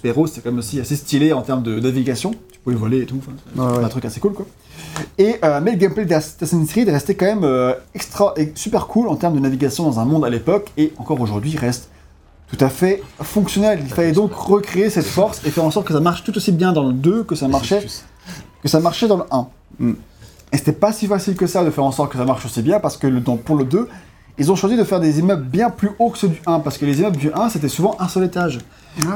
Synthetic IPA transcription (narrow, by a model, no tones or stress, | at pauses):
pɛʁose̥t̪ɛkɑ̃mɛmosiasest̪ileɑ̃t̪ɛʁmd̪ənaviɡasjɔ̃t̪y̥puvɛvɔleːt̪uɑ̃fɛ̃ɛɛ̃t̪χykase̥kulkwa | eʔømɛləɡɛmplɛd̪əlast̪asɛ̃niseʁid̪ʁɛst̪ekɑ̃mɛmøɛkst̪χaʔɛsypɛʁkʰulɑ̃t̪ɛʁmd̪ənaviɡasjɔ̃d̪ɑ̃zɛ̃mɔ̃d̪alepɔkeɑ̃kɔʁoʒuʁd̪ɥiʁɛst̪ː | ut̪afɛfɔ̃ksjɔnɛlilfalɛd̪ɔ̃kʁəkχeesɛt̪fɔʁsefɛʁɑ̃sɔʁt̪kəsamaʁʃt̪ut̪osibjɛ̃d̪ɑ̃ləd̪økəsamaʁʃɛ | kəsamaʁʃɛd̪ɑ̃ləʔɛ̃ | ese̥t̪ɛpasifasilkəsad̪əfɛʁɑ̃sɔʁt̪ə̥kəsamaʁʃosibjɛ̃paʁsə̥kələd̪ɑ̃puʁləd̪ø | ilzɔ̃ʃwazid̪əfɛʁd̪ezimœblbjɛ̃plyʔokə̥səd̪yʔɛ̃paʁsə̥kəlezimœbd̪yʔɛ̃set̪ɛsuvɑ̃ʔɛ̃sœlet̪aʒ